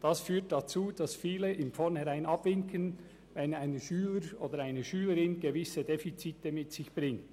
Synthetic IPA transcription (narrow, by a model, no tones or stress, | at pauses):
d̥ɑsfyːt̚d̥at͡suːd̥ɑsfiːləʔɪmfɔʁnhɛʁaɪnɑb̥vɪŋkʰən | vɛnaɪnəʃyːləɾoːdəɾaɪnəʃyːləɾɪnɡevɪsədefit͡siːtəmɪtsɪçb̥ʁɪŋt